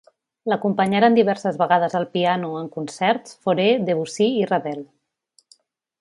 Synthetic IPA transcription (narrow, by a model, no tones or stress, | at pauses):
ləkumpəɲaɾand̪iβɛɾsəzβəɣaðəzəlˠpianuəŋkunsɛɾsfoɾeðeβusiirəβɛl